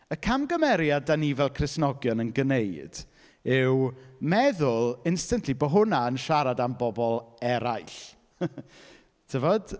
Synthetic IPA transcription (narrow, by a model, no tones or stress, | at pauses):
əkʰamɡəmɛɾjadanivɛlˠkʰrɪsnɔɡjɔnənɡənejd̥ | ɪwmɛðʊlˠɪnstəntʰlibɔɦʊnaənʃaɾadambɔbɔlˠɛɾajɬ | tʰəvɔd̥